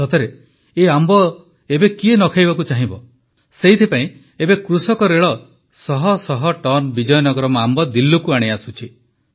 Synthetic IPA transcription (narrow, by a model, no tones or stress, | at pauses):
ɔt̪ʰeɾe | eambɔ | ebekienɔkʰajbakut͡ʃaɦĩbɔ | seɦit̪ʰipaĩ | ebekɾusɔkɔɾeɭɔ | sɔɦɔsɔɦɔʈɔnbid͡ʒɔjɔnɔɡɔɾɔmɔambɔd̪ilːukuaɽ̃easut͡ʃʰi